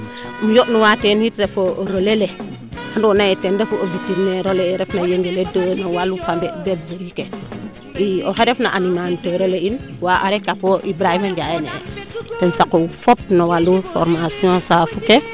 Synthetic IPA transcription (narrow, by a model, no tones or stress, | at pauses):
mujoʔnuwatenitɾefoɾolele | handonaetendefuovitːiɾneɾoleːɾefnajeŋɡeledonowalukambebetzeɾike | ioheɾefnaʔaninanteɾolein | waʔaɾekapoʔibɾahimaɲɟajenḛtensakufop̚nowalufo̰ɾmasiõsafuke